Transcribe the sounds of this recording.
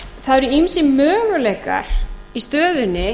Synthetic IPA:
θaðɾʏimsɪmœːɣʏlejka̰ɾ̥ist̪œːðʏnːɪ

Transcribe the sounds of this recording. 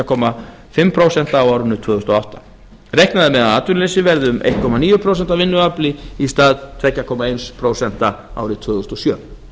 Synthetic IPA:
akʰɔma | fɪmːpʰɾowsɛn̥t̪aːwaːwɾʏnːʏt̪ʰvœːɣʏst̪ɔaht̪ḁ | rejhknaðɪmɛðaaːt̪ʏɾllesɪvɛɾðʏʏmʔḛjht̪̚kʰɔmaniːjʏpʰɾows̬ɛnt̪avɪnːʏaplɪist̪aːðt̪ʰvɛcːakʰɔmaejnspʰɾowsɛn̥t̪aa̰ːwɾɪt̪ʰvœːɣʏʏst̪ɔsjœː

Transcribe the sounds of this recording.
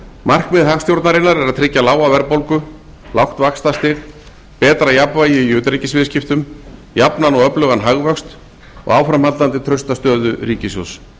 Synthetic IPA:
mar̥kmɪðɦaxst̪jowɾt̪naɾɪnːaɾɛɾaðt̪ʰɾɪcːalaːwavɛɾpowlkʏ | lawxt̪vakst̪ast̪ɪɣ | pɛːt̪ɾajapvaːjɪiʏːt̪ɾicɪsvɪːscɪft̪ʏm | japnanɔɣœplœɣanɦaɣvœkst̪ | ɔ̰ɣaːwfɾamhat̪ant̪ɪt̪ʰɾœɥst̪ast̪œːðʏɾiːcɪsjo̰s

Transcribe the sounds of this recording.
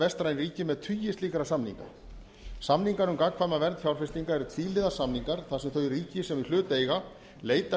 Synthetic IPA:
vɛst̪ɾajnriːcɪmɛðt̪ʰyjɪst̪iːkaɾasamnḭŋka̰ | samniŋkanʏmkakkʰvajmavɛɾnt̪fjawɾ̥fɪst̪iŋkaɛɾʏt̪ʰviːlɪðasamniŋkaɾ̥θasɛmθœɥiriːcɪsɛmilʏːt̪eːjɣa | leːjt̪a

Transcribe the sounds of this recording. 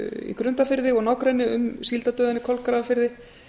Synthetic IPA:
ḭkɾʏnt̪afɪɾðɪɔɣnawkɾɛjnɪʏ̰msilt̪at̪œːðanːɪkʰɔlkɾaafɪɾðɪ

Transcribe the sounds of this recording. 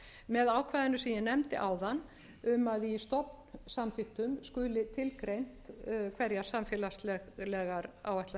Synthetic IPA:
mɛðaːwkʰvaːðɪnʏsɛmjɛnɛmt̪ɪ̰ʔaːwðan | ʏmaðist̪ɔpn̥samθɪxt̪ʏmskʏːlɪt̪ʰɪlkɾejn̥t̪kʰvɛɾjaɾ̥samfɪːlast̪lɛlɛɣaɾaːwvaht̪la

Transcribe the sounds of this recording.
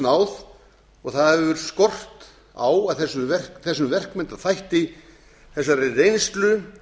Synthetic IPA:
naːwð | ɔɣθaðhɛvvʏɾskɔr̥t̪ | a̰waðθɛsːʏvɛr̥kθɛsːʏmvɛr̥kmɛnt̪aθajht̪i | θɛsːaɾɪrejnst̪lʏ

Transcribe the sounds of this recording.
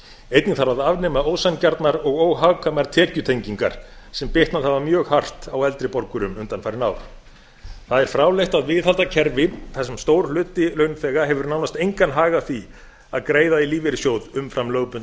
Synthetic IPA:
ejt̪nɪŋθaɾaðavnɛmaoːwsancaɾt̪naɾɔɣoːwɦawkʰœmaɾ̥t̪ʰɛːcʏt̪ʰejɲciŋka̰ɾ̥sɛmpɪht̪nalhavamjœːɣhar̥t̪awɛlt̪ɾɪpɔɾkʏɾʏmʏnt̪anfajɾɪna̰w | θaðɛɾ̥fɾaːwlejht̪aðvɪðhalt̪acʰɛɾvɪθɛsːɛmst̪owɾ̥lʏːt̪ɪlœɥnfɛːɣaɦɛvʏɾnaːwnast̪ejŋkanɦaːɣaθi | aðkɾeːjðailiːvɪɾɪsjoːwðʏmfɾamløːwpʏn

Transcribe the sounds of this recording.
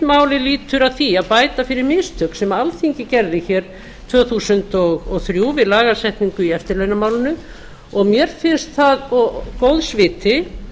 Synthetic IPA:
maːwlɪliːt̪ʏɾaðθiaðpaːjt̪afɪɾɪɾmɪst̪ʰœkn̥sɛmaalθiŋcɪcɛɾðɪçɛɾ | t̪ʰvœːθusʏnt̪ɔɣɔɣθɾjuːvɪlaːɣasɛht̪niŋkʏiɛft̪ɪɾlejnamaːwlɪnʏ | ɔɣmjɛɾ̥fɪnst̪θaðɔkowðsvɪːt̪ɪ

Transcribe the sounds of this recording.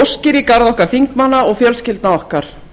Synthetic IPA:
scɪɾikaɾðɔhkaɾ̥θiŋkmanːaɔɣfjœlscɪlt̪naɔhkaɾ̥

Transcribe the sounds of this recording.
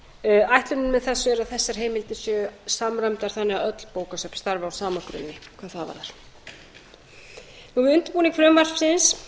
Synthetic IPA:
ajht̪lʏnʏnmɛðθɛsːʏɛɾaðθɛsːaɾ̥ɦeːjmɪlt̪ɪsjœsamɾamt̪aɾ̥θanːɪɣaœt̪l̥poːwkasœpst̪aɾvawsaːmakɾʏ̰nːɪkʰv̥aːðθaðva̰ɾðaɾ̥ | nuvɪðʏnt̪ɪ̥puːnɪkfɾʏmvar̥fsɪns

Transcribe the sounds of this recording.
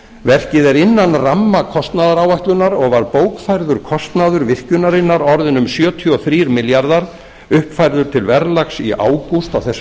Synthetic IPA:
vɛr̥cɪðɛɾɪnːanramːakʰɔst̪naðaɾawvajht̪lʏnaɾɔɣvaɾpoːwkfajɾðʏɾ̥kʰɔst̪naðʏɾvɪhcʏnaɾɪnːaɾɔɾðɪnʏmsjœːt̪ʰiɔθɾiːɾmɪljaɾðaɾ | ʏhpfajɾðʏɾ̥t̪ʰɪlvɛɾlaksiʔa̰ːwkust̪awθɛs

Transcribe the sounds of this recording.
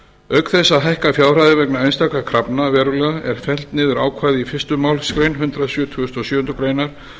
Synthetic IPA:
œɥkθɛsːaɦɛjhkafjaːwr̥ajðɪvɛknaejnst̪akakʰɾapnavɛːɾʏlɛːɣaʔɛɾ̥fɛl̥t̪nɪːðʏɾaːwkʰvaːjðɪifɪst̪ʏmaːwlskɾejnɦʏnt̪ɾasjœːt̪ʰʏɣʏst̪ɔsjʏːʏnt̪ɾʏkɾeːjnaɾ̥

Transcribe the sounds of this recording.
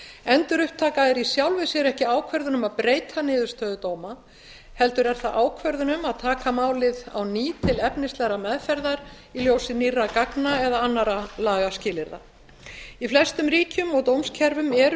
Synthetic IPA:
ɛnt̪ʏɾʏhp̚t̪ʰaːkaɛɾisjawlvɪsɛɾɛhcɪaːwkʰvɛɾðʏnʏmaðpɾeːjt̪ʰanɪːðʏɾ̥st̪œːðʏt̪oːwma | hɛl̪t̪ʏɾɛɾ̥θaʔaːwkʰvɛɾðʏnʏmaðt̪ʰaːkamaːwlɪða̰wniːt̪ʰɪlɛpnɪst̪lɛɣɾamɛðfɛɾðaɾ | iljoːwsɪnirːakaknaɛðaanːaɾalaːɣascɪːlɪɾða̰ | iflɛst̪ʏmɾiːcʏmɔɣt̪owmscʰɛɾvʏmɛɾ

